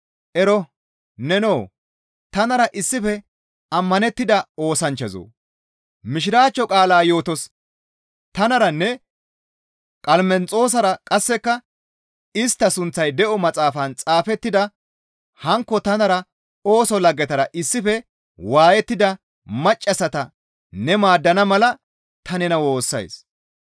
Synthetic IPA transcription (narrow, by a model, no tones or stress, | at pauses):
ʔɛɾɔ | nɛnoː | t̪ɐnɐɾɐʔɪsːɪfɛ | ɐmːɐnɛt̪ːɪd̪ɐoːsɐnt͡ʃːɛzo̰ː | mɪʃ̬ɪɾaːt͡ʃːɔkʼaːlaːjo̞ːt̪ɔs | t̪ɐnɐɾɐnːɛ | kʼɐlmɛnt͡sʼo̞ːs̬ɐɾɐkʼɐsːɛkːɐ | ɪst̪ːɐsʊnt͡sːɐjd̪ɛʔɔmɐt͡sʼaːfɐnt͡sʼaːfɛt̪ːɪd̪ɐ | hɐŋkːɔt̪ɐnɐɾɐ | o̞ːsɔlɐɡːɛt̪ɐɾɐʔɪsːɪfɛ | waːjɛt̪ːɪd̪ɐ | mɐt͡ʃʼːɐsɐt̪ɐ | nɛmaːd̪ːɐnɐmɐlɐ | t̪ɐnɛnɐwo̞ːsːɐ̰js